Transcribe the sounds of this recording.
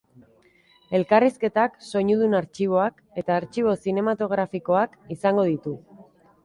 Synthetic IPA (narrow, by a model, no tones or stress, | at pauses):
e̞lkariske̞t̪akso̞ɲuðunaɾt͡ʃiβ̞o̞ak | e̞t̪aːɾt͡ʃiβ̞o̞sine̞mat̪o̞ɣ̞ɾafiko̞akisaŋɡo̞ð̞it̪u